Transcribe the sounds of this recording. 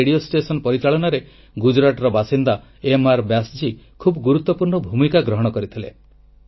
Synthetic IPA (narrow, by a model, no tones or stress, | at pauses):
eɽiosʈesɔnpɔɾit͡ʃaɭɔnaɾe | ɡud͡ʒɾaʈɔɾɔbasind̪a | emaɾbasd͡ʒikʰubɔɡuɾut̪ːɔpuɾɳɔbʱumikaɡɾɔɦɔɽ̃ɔkɔɾit̪ʰilḛ